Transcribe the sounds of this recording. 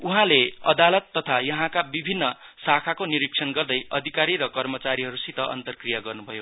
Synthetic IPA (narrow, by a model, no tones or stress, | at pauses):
uɦãleʌ̰d̪alʌt̪ːʌt̪ʰajʌɦãkabibʱinːʌsakʰakoniɾiksʰʌnɡʌrd̪ʌjʌd̪ʱikaɾiɾʌkʌrmʌt͡saɾiɦʌɾusit̪ʌʔʌ̰nt̪ʌrkrijaɡʌrnubʱʌjo